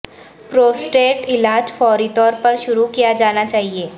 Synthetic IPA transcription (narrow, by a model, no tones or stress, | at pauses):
pɾoːsʈeːʈɪlaːd͡ʒfɔːɾit̪ɔːɾpɐɾʃʊɾukijad͡ʒaːnat͡ʃaːɦieː